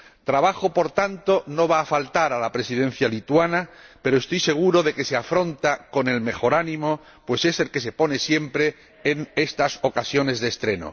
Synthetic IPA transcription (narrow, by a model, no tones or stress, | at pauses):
t̪ɾaβaxo̞po̞ɾt̪ant̪o̞no̞β̞aːfalt̪aɾalapɾe̞siðẽ̞n̟θjalit̪wanape̞ɾoest̪ojse̞ɣ̞uɾo̞ðe̞ke̞seafɾo̞nt̪ako̞ne̞lme̞xo̞ɾanĩmo̞ | pwe̞se̞se̞lke̞s̬e̞po̞ne̞sje̞mpɾe̞ː | ne̞st̪aso̞kasjo̞ne̞zðest̪ɾe̞no̞̰